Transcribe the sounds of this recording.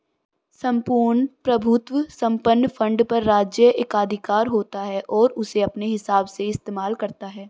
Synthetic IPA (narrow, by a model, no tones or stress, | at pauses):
sɐ̃mpuːɾɳpɾɐbʱʊt̪wəsɐ̃mpənːfʰɐ̃ɳɖpɐɾːaːd͡ʒjəeːkaːd̪ʱɪkaːɾɦoːt̪aɦɛʔɔːɾʊseɐpneɦɪsaːbseɪst̪eːmaːlkɐɾt̪aɦɛː